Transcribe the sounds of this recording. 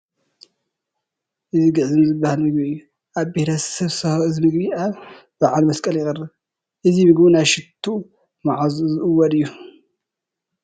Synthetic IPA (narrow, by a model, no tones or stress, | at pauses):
ʔɨziɡɨʕzɨmzɨbːahalmɨɡ̚biɨjːu | ʔaβbehɾʰɐsɐβsɐzɨmɨɡbiʔaβ | b̥aʕalmɐskʼɐljɪxʼɨrːɨβ | ʔɨzimɨɡbunajʃɪt̪ʰːu | maʕazuzɨʔɨwːɔd̪ɨjːu